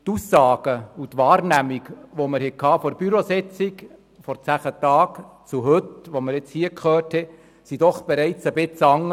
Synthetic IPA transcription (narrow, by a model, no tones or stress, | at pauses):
t̪usːɑːɡ̥əut̪ʋɑːɾnæmikʋoməɾhɛkʰɑːfɔɾb̥yɾosɛt͡sik | fɔɾt͡sæχətɑːk | t͡suɦɵtʋoməɾɪt͡shiəkʰχøːrthɛ | sid̥ɔχb̥ɛɾɛɪt͡səbɪt͡sɑŋːə